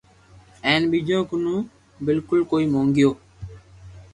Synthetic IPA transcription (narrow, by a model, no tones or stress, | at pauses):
ɛ̃ːnɓiːd͡ʒõːkʊnũː | bɪlkʊlkoːiːmõːŋɡɪjoː